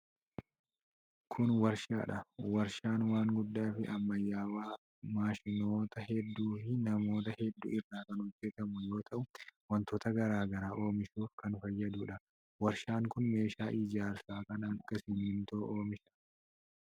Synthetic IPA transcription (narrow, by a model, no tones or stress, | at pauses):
kʰʊnwɐɾʃa̰ːᶑɐwɐɾʃaːnwaːŋɡʊd̪ːaːfɪʔɐmːɐjːaːwaː | maːʃɪno̞ːt̪ɐhɛd̪ːuːfɪnɐmo̞ːt̪ɐhɛd̪ːʊ̰ːɪrːaːkɐnhɔd͡ʒːɛt̪ɐmʊjo̞ːt̪ʰɐʔʊwɐnt̪ɔt̪ɐɡɐɾaːɡɐɾaːʔo̞ːmɪʃuːfkɐnfɐjːɐd̪uːᶑɐ | wɐɾʃaːŋkʊnme̞ːʃaːʔɪd͡ʒaːɾsaːkɐnɐkːɐsɪnɪnt̪oːʔo̞ːmɪʃɐ̥